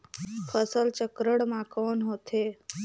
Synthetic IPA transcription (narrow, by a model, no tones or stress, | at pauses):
pʰəsəlt͡ʃəkɾəɽmãkoːnɦoːt̪ʰeː